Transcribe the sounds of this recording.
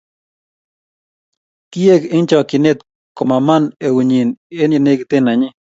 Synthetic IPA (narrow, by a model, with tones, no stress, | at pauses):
ki˦e˦ki˦ŋt͡ʃɔ˨ki˨ne˦t̪̚ | ko˨ma˨ma˦ne˨wi˨ɲi˨ne˦nje˨ne˦kt̪e˦na˨ɲi˦